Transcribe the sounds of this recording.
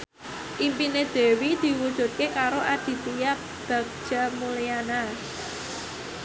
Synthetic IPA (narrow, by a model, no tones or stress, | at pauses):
ʔimpined̪̥e̤wid̪̥i̤wud̥ʒ̥ṳt̪̚kekaɾoʔad̪̥i̤t̪ija | b̥a̤ɡ̚d̥ʒ̥a̤muliana